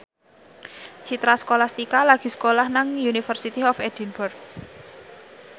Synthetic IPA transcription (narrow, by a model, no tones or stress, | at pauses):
t͡ʃit̪ɾaskolahst̪ikalaɡ̥i̤skolahnaŋjunifərsit̪iɔfɛd̪̥i̤nburk̚